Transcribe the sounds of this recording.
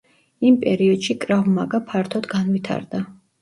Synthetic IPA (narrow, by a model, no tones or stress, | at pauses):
impʼɛɾiɔd̪̥ʃikʼɾavmaɡapʰaɾt̪ʰɔd̪ɡanvit̪ʰa̰ɾd̪a